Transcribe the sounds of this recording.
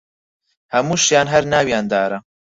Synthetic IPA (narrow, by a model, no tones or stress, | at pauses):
hɐmuːʃjaːnɦɐɾnaːwjaːnd̪aːɾɐ